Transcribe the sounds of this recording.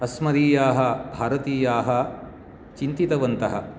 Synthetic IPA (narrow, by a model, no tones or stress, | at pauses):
ɐsmɐɾiːjaːɦɐbʱaːɾɐt̪iːjaːɦɐ | t͡ʃint̪it̪ɐʋɐnt̪ɐɦɐ̰